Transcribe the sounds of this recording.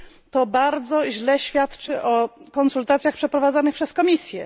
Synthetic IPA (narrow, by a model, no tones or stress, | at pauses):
t̪ɔbaɾd̪zɔʑlɛɕfʲjat̪t͡ʂɘʔɔkɔnsult̪at̪sʲjaxpʂɛpɾɔvad̪zanɘpʂɛskɔmʲisʲjɛ